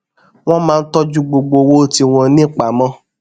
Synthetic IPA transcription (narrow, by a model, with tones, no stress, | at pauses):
w̃ɔ̃˦mãː˦˧n̩˦tɔ˦d͡ʒu˦ɡ͡bo˧ɡ͡bo˧wo˦˨ti˧w̃ɔ̃˧nĩ˦k͡pa˨mɔ̃˦